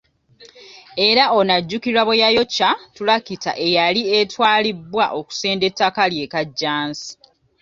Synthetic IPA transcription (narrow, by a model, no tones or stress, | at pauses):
e̞ɾao̞naɟːukiɾaβojajo̞cːatulakitaʔe̞jalie̞twaːlibːwaʔo̞ku̥se̞ːnde̞tːakalje̞kaɟːaːnsi̥